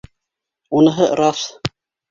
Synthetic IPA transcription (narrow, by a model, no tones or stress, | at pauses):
unɤ̆ɦɤɾɑf